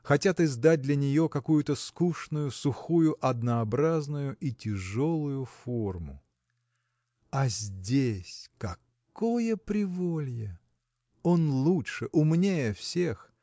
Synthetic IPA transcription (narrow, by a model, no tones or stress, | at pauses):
xɐtʲat̪ɪzd̪at̚ʲd̪lʲɐnʲɪjo̞kɐkujʊt̪əskuʂnʊjʊsʊxujʊʔɐd̪nəɐbɾaznʊjʊʔitʲɪʐo̞lˠʊjʊfo̞rmʊ̰ | ɐzʲdʲesʲkɐ | kkojəpɾʲɪvolʲjə | o̞nlˠutʂɨʔʊmnʲejəfsʲex